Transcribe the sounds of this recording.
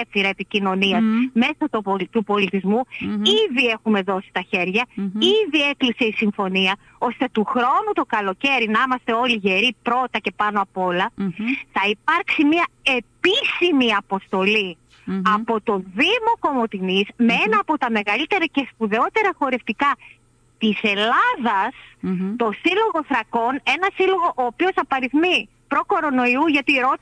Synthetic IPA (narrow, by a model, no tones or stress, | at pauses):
efiɾɐe̞picino̞niɐzme̞sɐt̪oot̪upo̞lit̪izmuiðie̞xume̞ðo̞si̥t̪ɐçe̞ɾʝɐiðie̞klise̞isiɱfo̞niɐ | o̞st̪e̞t̪uxɾo̞nut̪o̞kɐlo̞ce̞ɾinɐimɐst̪e̞o̞liʝe̞ɾipɾo̞t̪ɐce̞pɐno̞ɐpo̞lɐθɐipɐɾksimiɐe̞pisimiɐpo̞st̪o̞li | ɐpo̞t̪o̞ðimo̞ko̞mo̞t̪inizmee̞nɐːpo̞t̪ɐme̞ɣɐlit̪e̞ɾɐce̞spuðe̞o̞t̪e̞ɾɐxo̞ɾe̞ft̪ikɐ | t̪ise̞lɐðɐst̪o̞silo̞ɣo̞θɾɐko̞ne̞nɐsilo̞ɣo̞ʔoːpio̞sɐpɐɾiθmi | pɾo̞ko̞ɾo̞no̞iuʝɐt̪iɾo̞t̪